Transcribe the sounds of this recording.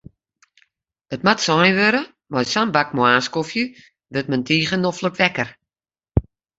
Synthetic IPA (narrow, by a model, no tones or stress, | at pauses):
ətmatsɔjʋøɾə | majsambakmoaːskofjə | ʋɪt̚məntʰiːχənɔfləkʋɛkər